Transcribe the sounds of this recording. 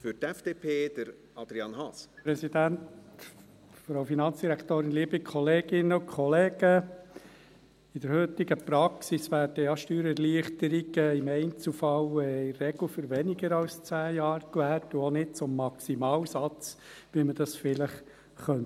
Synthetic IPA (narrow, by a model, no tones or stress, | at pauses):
fyɾtɛfd̥eːpʰeːd̥̪əɾ | ɑd̪ɾiɑnhɑspɾɛsid̥̪ænt | fɾowfinɑnt͡sd̥iɾækʰt̪oːɾɪnliəbikʰɔleːɡɪnːəʊkʰχɔleːɡ̥ə | ɪd̥̪əɾhʏtɪɡəpɾɑksisʋæːɾd̥əjɑʃtyːɾɛɾliəχt̪əɾiɡ̥əɪmɛɪnt͡sufɑwɛːɛɡl̩fʏɾʋɛniɡəɾɑlst͡sæːjɑːɾkʋæːltuɔnɪd̥̚t͡sʊmːɑksimɑːwsɑt͡sʋiməd̥ɑsfɪləχ | χœnt